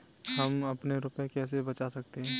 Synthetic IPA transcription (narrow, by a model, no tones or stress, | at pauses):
ɦɐmɐpneɾʊpekɛːs̬ebɐt͡ʃasɐk̚t̪eɦɛ̃ː